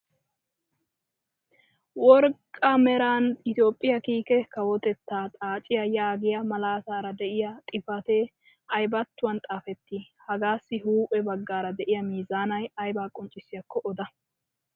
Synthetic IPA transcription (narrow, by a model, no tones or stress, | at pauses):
wɔɾkʼːɐmɛɾaːnɪt̪jo̞ːpʼːɪjɐkiːkɛkɐwɔt̪ɛt̪ːaːt̪ʼaːt͡ʃʼɪjɐjaːɡɪjɐmɐlaːsaːɾɐd̪ɛʔɪjɐt̪ʼɪfɐt̪eː | ɐjbɐt̪ːʊwɐnt̪ʼaːfɛt̪ːiːhɐɡaːsːɪhuːpʼɛbɐɡːaːɾɐd̪ɛʔɪjɐmiːzaːnɐjɐjbaːkʼʊnt͡ʃʼːɪsːɪjɐkʰːɔʔɔd̪ɐ